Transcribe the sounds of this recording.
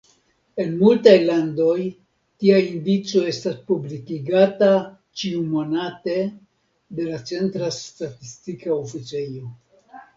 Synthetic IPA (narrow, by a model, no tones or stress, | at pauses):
e̞nmultajlando̞j | tiaindit͡so̞e̞staspublikiɡata | t͡ʃiumo̞nate̞ | de̞lat͡se̞ntɾastatistikaofit͡se̞jo̞